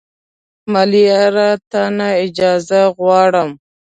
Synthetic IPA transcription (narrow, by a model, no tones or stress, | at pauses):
maliaɾat̪anaɪd͡ʒɑzaɣwɑɽəm